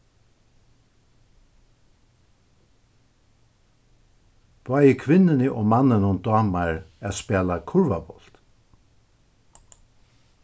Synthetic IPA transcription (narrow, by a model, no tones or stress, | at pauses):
b̪̥aːjəkʰʋɪnɪnɪʔɔmanːənʊnd̪ɑːmaɹɛːspɛːlakʰʊɹvabɔl̥t̪